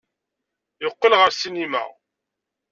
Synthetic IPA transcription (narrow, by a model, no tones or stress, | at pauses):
jəqːəlʁəɾsinːimæ̰